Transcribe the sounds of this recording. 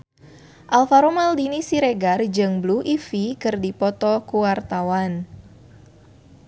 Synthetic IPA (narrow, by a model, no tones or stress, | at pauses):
ʔalfaɾomaldinisiɾeɡard͡ʒɨŋbluʔifikɨrdipɔt̪ɔkuwart̪awan